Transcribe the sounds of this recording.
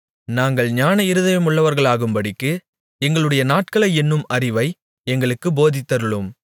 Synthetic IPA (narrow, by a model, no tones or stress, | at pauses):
naːŋɡɐɭɲaːnɐɪɾɯðɐjɐmʊɭːɐʋɐɾɣɐɭaːɣɯmbɐɽɪkːɯ | ɛŋɡɐɭɯɽɐjɐnaːʈ̚kɐɭɐɪɛnːɯmɐɾɪʋɐɪ | ɛŋɡɐɭɯkːɯboːðɪt̪ːɐɾɯɭɯm